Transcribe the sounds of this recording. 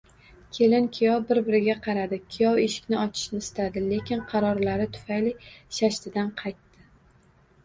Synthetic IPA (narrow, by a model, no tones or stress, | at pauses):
kʲʰe̞lɪnkʲʰijɒwbɪɾbɪɾɪɡʲaqʰɑɾad̪ɪkʲʰɪjɒwe̞ʃɪ̥kʲnɪɒt͡ʃʰɪ̥ʃnɪsɪ̥t̪ʰad̪ɪle̞kʲɪnqʰɑɾɒɾlaɾɪt̪ʰʊ̥fajliʃaʃt̪ɪd̪anqʰɑjt̪ːɪ